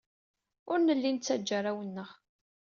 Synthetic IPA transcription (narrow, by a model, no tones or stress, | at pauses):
ʊɾnəlːint͡sːæd͡ʒːaɾawənːəʁ